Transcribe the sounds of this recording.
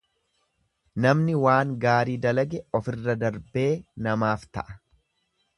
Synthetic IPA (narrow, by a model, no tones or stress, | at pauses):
nɐmnɪwaːŋɡaːɾiːd̪ɐlɐɡɛɔfɪrːɐd̪ɐɾbe̞ːnɐmaːft̪ɐ̰ʔɐ